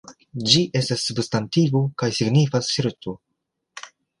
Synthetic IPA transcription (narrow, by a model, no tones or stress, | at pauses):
d͡ʒiʔe̞stasːubstantiɡukajsiɡnifasʃiɾtu